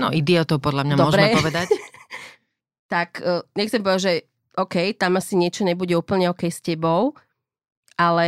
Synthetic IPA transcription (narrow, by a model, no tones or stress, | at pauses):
nɔ̰ʔid̪iɔt̪ɔʊpɔd̪lamɲamd̪ɔɔʒɾɛpɔʋɛd̪ac | t̪akːɲɛxt͡sɛmpɔʋɛdaʒɛ | ʔɔkɛjt̪amasiɲɪɛt͡ʃɔɲɛbuɟɛuːpl̩ɲɛɔkɛjscɛbɔʊ | ʔalɛ